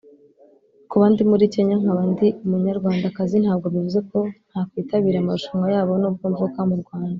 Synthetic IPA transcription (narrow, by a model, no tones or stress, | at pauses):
kuβandimuɾiceɲaŋaβandiumuɲaɾɡwaːndakazin̥haːb̚ɡo̞βivuze̞ko̞n̥hakwiːtaβiːɾamauʃumŋɡajaːβo̞nob̚ɡoːɱvukamuɾɡwaːnda